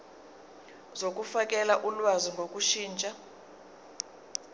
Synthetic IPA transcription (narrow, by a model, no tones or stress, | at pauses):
zok̬ʼufakʼɛlaʔulwaziŋɡʱokʼuʃiːnt͡ʃʼa